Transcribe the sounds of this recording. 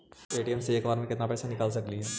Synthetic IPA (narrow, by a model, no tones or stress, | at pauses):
eːʈiɛmseeːkbaːɾmẽkɪt̪napɛːsanɪkaːls̬ɐkliɦɛː